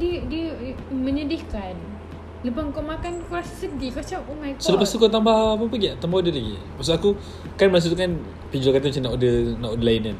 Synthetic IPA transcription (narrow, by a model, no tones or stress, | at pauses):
didiə | məɲədihkan | ləpaŋkɔʔmakankassədikat͡ʃapuŋajksələpast̪ukat̪̬ambahːp̬ap̬əɡiaʔt̪ambaudəlaɡḭ | maʔs̬uaku | kanməɾas̬ut̪ukan | pid͡ʒukat̪at͡ʃunaʔudənaʔudəlainan